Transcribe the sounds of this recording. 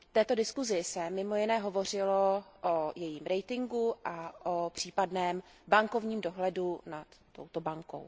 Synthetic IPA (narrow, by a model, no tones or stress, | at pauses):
t̪ɛːt̪o̞dɪskuzɪsɛmɪmo̞jɪnɛːɦo̞vo̞r̝ɪloʔojɛjiːmɾɛjt̪ɪŋɡuʔaʔopr̝̥iːpadnɛːmbaŋko̞vɲiːmdo̞ɦlɛdunat̪ːo̞̰wt̪o̞baŋko̞̰w